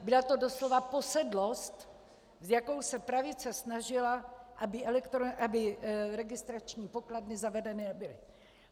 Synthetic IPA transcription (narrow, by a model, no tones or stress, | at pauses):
bɪlat̪o̞doslo̞vapo̞sɛdlo̞st̪ | zjakowsɛpɾavɪt͡sɛsnaʒɪlaʔabɪʔɛlɛkt̪ɾoʔabɪɾɛɡɪst̪ɾat͡ʃɲiːpo̞kladnɪzavɛdɛnɪɛbɪlɪ